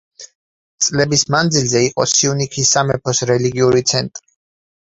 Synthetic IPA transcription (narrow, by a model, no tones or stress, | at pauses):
t̪sʼlɛbismand̪zilzɛiqʼɔ̰siunikʰisːamɛpʰɔsɾɛliɡiuɾit̪sʰɛnt̪ʼɾi